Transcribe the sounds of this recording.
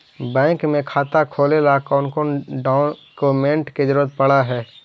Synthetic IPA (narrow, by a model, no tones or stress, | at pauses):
bɛ̃ːŋkmẽkʰaːt̪akʰoːlelakɔːnkonɖaːʊnkomẽɳʈked͡ʒəɾuːɾət̪̚pəɽaɦɛː